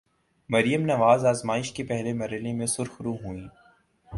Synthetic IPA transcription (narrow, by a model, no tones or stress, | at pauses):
mɐɾjəmnɐʋaːzaːzmaːɪʃkepɛɦlemɐɾəlemẽsʊɾxɾũɦuĩː